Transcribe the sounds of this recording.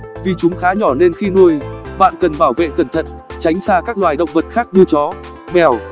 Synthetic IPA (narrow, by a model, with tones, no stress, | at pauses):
vi˨˩t͡ɕʊ˨˦ŋ͡mxaː˨˦ɲɔ˧˩ne˧nxi˧nu˧əjɓa̰ː˧˨nkə˨˩nɓaː˧˩wvḛ˧˨kə˧˩nt̪ʰə̰˧˨n | t͡ɕa˨˦jŋ̟saː˧kaː˦˥k̚lwaː˨˩jɗə̰˧˨wŋ͡mvə˨˩t̚xaː˦˥k̚ɲɨ˧t͡ɕɔ˨˦ | mɛ˨˩w